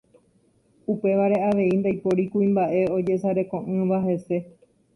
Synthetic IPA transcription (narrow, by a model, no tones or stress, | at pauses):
upe̞ʋaɾe̞aʋe̞ind̪ajpo̞ɾikuĩmbaʔe̞o̞d͡ʒe̞saɾe̞kõ̞ʔɨ̃ʋaɦe̞se̞